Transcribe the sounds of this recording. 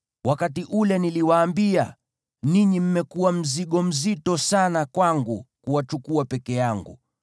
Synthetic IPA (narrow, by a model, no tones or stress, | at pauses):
wakatiʔulɛniliwaːmbia | niɲim̩mɛkuwam̩ziɠɔm̩zitɔsanakwaŋɡukuwat͡ʃukuapɛkɛjaŋɡṵ